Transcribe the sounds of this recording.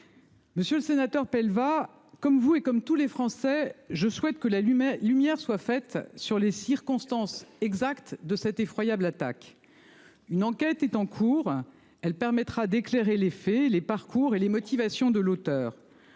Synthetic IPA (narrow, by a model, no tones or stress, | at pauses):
məsjøləsenat̪œʁpɛlva | kɔmvuekɔmt̪ulefχɑ̃sɛʒəswɛt̪kəlalymjɛʁswafɛt̪syʁlesiʁkɔ̃st̪ɑ̃sɛɡzakt̪d̪əsɛt̪efχwajablat̪a̰k | ynɑ̃kʲɛt̪ɛt̪ɑ̃kʰuːʁ | ɛlpɛʁmɛt̪χad̪ekleʁelefɛlepaʁkuʁelemɔt̪ivasjɔ̃d̪əlot̪œːʁ